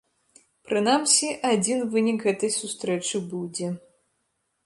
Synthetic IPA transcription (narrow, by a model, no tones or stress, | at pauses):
pɾɨnamsʲiʔad͡zʲinvɨnʲikɣɛt̪ɐjsust̪ɾɛt͡ʂɨbud͡zʲɛ